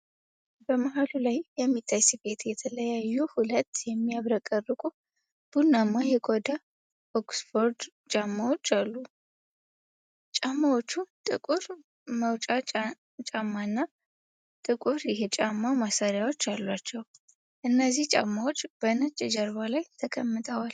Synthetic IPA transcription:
bəmaɦalulajjɛmːit̪ʰːajsife̞t̪jɛt̪ʰələjajːuhulət̪ːjɛmːiaβɾəkʼərːɨkʼu | b̥unːamːajɛɡod̪a | ʔoksfo̞ɾd̪ | t͡ʃʼamːawo̞t͡ʃːalːu | t͡ʃʼamːawo̞t͡ʃːut̪ʼɨkʼuɾ | məwt͡ʃʼa | t͡ʃʼamːanːa | t̪ʼɨkʼuɾjɪɦet͡ʃʼamːamasaɾjawo̞t͡ʃːalːwat͡ʃːɛw | ʔɨnːəzːiht͡ʃʼa̰mːawot͡ʃːb̥ənət͡ʃʼːɛd͡ʒəɾβalajt̪ʰəkʰəmːɨt̪ʰəwal

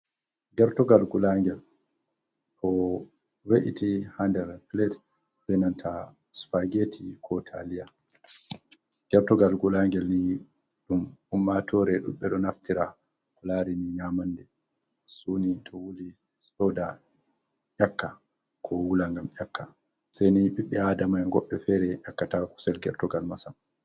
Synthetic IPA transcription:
ɡɛɾtɔɡalɡulaŋɡɛl | pɔ | weʔḭtʰihandɛɾplɛt | bɛnantʰa | spaɡetʰikʰɔtʰalija | ɡ̥ɛɾtɔɡalɡulaŋɡɛlni | ɗumumːatʰɔɾɛɗṵmɓɛɗɔnaftiɾa | kɔlaɾiniɲamandɛ | sunitʰɔwuli | sɔda | ʔʲakːa | kʰɔwulaŋɡamʔjakːa | sajniɓiɓːɛadamajŋɡɔɓːɛfɛɾɛʔakːataku̥sɛlɡɛɾtɔɡalmasam

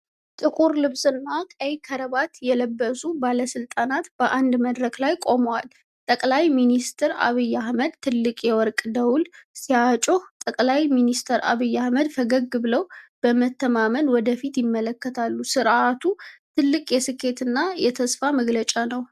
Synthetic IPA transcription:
t̪ʼɨkʼuɾlɨβsɨnːakʼəjkʰəɾəβat̪jɛləbːəsubaləsɨlt̪ʼanat̪b̥əʔand̪məd̪ɾəklajkʼo̞məwal | t̪ʼəkʼlajminist̪ʰɨɾa̰βijːahməd̪t̪ʰːɨlːɨkʼjɛwɔɾkʼd̪əwlsiat͡ʃʼoht̪ʼəkʼlajminist̪ʰəɾʔa̰βijːahməd̪fəɡəɡːɨβləwb̥əmət̪ʰːəmamənwɔd̪əfit̪jɪmːələkːət̪ʰalːusɨɾʔat̪ʰut̪ʰɨlːɨkʼjɛsɨkʰːe̞t̪ɨnːajɛt̪ʰəsfaməɡlət͡ʃʼanəw

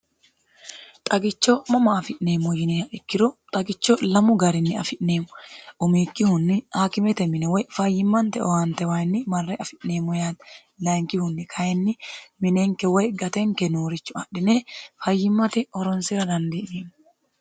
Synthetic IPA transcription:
t̪ʼɐɡɪt͡ʃːomɐmɐːfɪʔne̞ːmːɔjɪnɛaʔɪkːɪɾɔt̪ʼɐɡɪt͡ʃːolɐmʊɡɐɾɪnːɪɐ̰fɪʔne̞ːmɔʔʊmiːkʼːɪhʊnːɪhaːkɪmɛt̪ɛmɪnɛwɔjfɐjːɪmːɐnt̪ɛɔwant̪ɛwaɪnːɪmɐrːɛʔɐfɪʔne̞ːmːɔjaːd̪ | lɐŋkʼɪhʊnːɪkʰɐjɛnːɪmɪneŋkɛwɔjɡɐt̪ɛŋkɛnuːɾɪt͡ʃːʊɐɗɪneːfɐjːɪmːɐt̪ɛɔɾɔnsɪɾɐd̪ɐnd̪ineːm

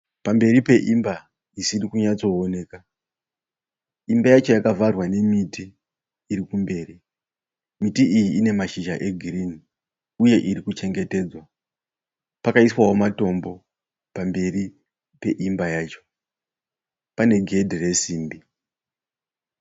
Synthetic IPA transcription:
pambe̞ripe̞ʔimba | isirikuɲat͡so̞ːne̞ːka | imbajat͡ʃo̞jakavarwane̞mitiː | ɾikumbe̞ːri | mitiʔijiine̞maʃiʒaʔe̞ɡʱirini | uje̞ʔiɾikut͡ʃe̞ŋɡe̞te̞ːd͡zwa | pakaiswaɦomato̞mbo̞ | pambe̞ri | pe̞ʔimbajaːt͡ʃo̞̥ | pane̞ɡʱe̞dʱere̞siːmbi

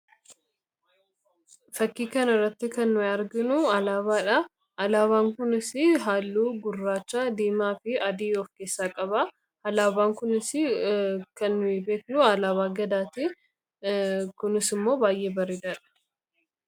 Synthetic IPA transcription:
fɐkːiːkɐnɐrːɐt̪ːɪkɐnːʊɐɾɡɪnʊɐlaːβaːᶑɐ | ɐlaːβaːŋkʊnɪsɪɦaːlːuːɡʊrːaːt͡ʃːaːd̪iːmaːfɪɐd̪iːɔfkeːsːaːkʼɐbɐ | ɐlaːbaːŋkʊnɪsɪkɐnːʊɪbe̞ːknʊɐlaːβaːɡɐd̪aːt̪i | kʊnɪsɪmːo̞ːbaːjʔeːbɐɾɪd̪aᶑɐ̥

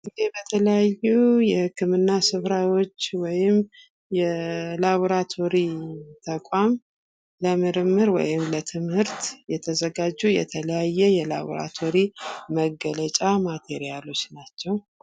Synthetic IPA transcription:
ʔɨd̪ebət̪ʰələjajːujɛhɨkːɨmɨnːasɨβɾawo̞t͡ʃːwɔjɪm | jɛlaβoɾat̪ʰo̞ɾit̪ʰəkʷʼam | ləmɨɾɨmːɨɾwɔ̰jɪmlət̪ʰɨmhɨɾt̪jɛt̪ʰəzəɡad͡ʒːujɛ̰t̪ʰələjajːɛjɛla̰βo̰ɾa̰t̪ʰo̞ɾiməɡələt͡ʃʼamat̪ʰe̞ɾijalo̞t͡ʃːnat͡ʃːɛw

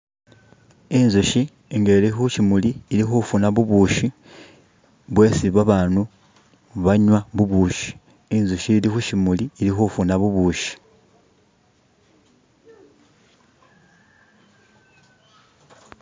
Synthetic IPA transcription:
inzuʃi | ŋɡelixuʃimuliːlixufunaβuβuːʃi | βwe̞siβaβaːnu | βaɲwaβuβuʃi̥ː | nzuʃilixuʃimuliːlixufunaβuβuʃi̥

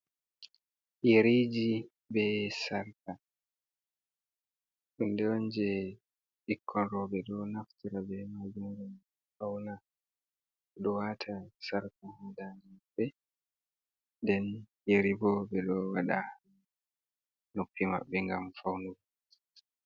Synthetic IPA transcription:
jeɾid͡ʒi | bɛsaɾka | ɗundɛɔnd͡ʒɛ | ɗikʰːɔnɾɔbɛɗɔnaftiɾabɛmad͡ʒumɡum | fawna | ɗɔwatʰasaɾkahɔdaniabɛ | dɛnjeɾibɔbɛɗɔwaɗa̰ | nopʰːima̰ɓːɛŋɡamfawnuɡ

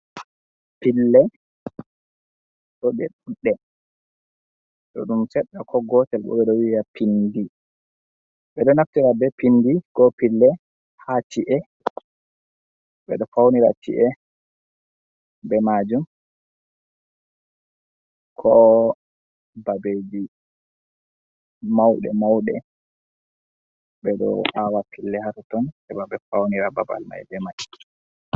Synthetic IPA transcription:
pilːɛ | ɗɔɓɛɗuɗːɛ | ɗɔɗumt͡ʃɛɗːakʰɔɡɔtɛlɓɔ̰ɓɛɗɔwijapʰindi | bɛɗɔnaftiɾabɛpindiɡɔpilːɛ | hat͡ʃiʔɛ | ɓɛ̰ɗɔfawniɾa̰t͡ʃḭʔɛ | bɛmad͡ʒum | kʰɔ | babed͡ʒi | mawɗɛ̰mawɗɛ | bɛɗɔ̰awapʰilːɛhatɔtɔnɛ̰baɓɛfawniɾaba̰ba̰lma̰jɛdɛmaʔi

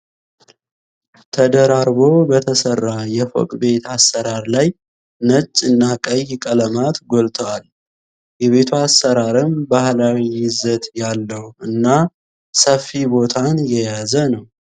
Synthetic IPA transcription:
t̪ʰəd̪əɾaɾbo̞bət̪ʰəsərːajɛfo̰kʼbe̞t̪asːəɾaɾlaj | nət͡ʃʼːɨnːakʼəjkʼələmat̪ɡolt̪ʰəwal | jɛβe̞t̪ʰuasːəɾaɾɨmbahlawiːɪzət̪ʼjalːəhuʔɨnːa | səfːibo̞t̪ʰanjɛjazənəw

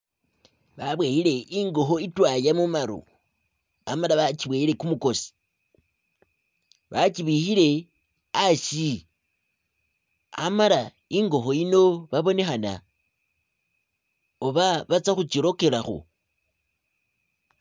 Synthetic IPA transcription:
βaβwejiɾe̞ʔiŋɡo̞xo̞itwajamumaɾṵ | amalaβat͡ʃiβweːiɾe̞kumuko̞si̥ | βat͡ʃiβixiɾe̞ | aʃi | a̰maɾa | iŋɡo̞xo̞ino̞βaβo̞ne̞xana̰ | oβaβat͡saxut͡ʃiɾo̞ke̞laxo̰

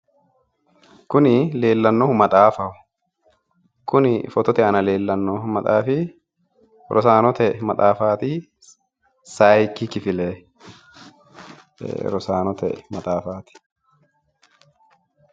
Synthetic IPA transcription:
kʊnɪle̞ːlːɐnːoːhmɐt̪ʼaːfɐʊ | kʊnɪfɔt̪ɔt̪ɛɐnɐle̞ːlːɐnːoːmɐt̪ʼaːfɪ | ɾʔɔ̰saːnɔt̪ɛmɐt̪ʼaːfaːt̪i | saːjkːɪkɪfɪlɛː | ɾɔsaːnɔt̪ɛ̰mɐt̪ʼaːfaːt̪ɪ̥

